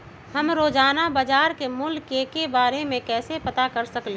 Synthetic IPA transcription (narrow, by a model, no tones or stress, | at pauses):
həmɾoːd͡ʒaːnabəd͡ʒaːɾkemʊlkːekebaːɾemẽkɛːsepət̪akəɾsəkle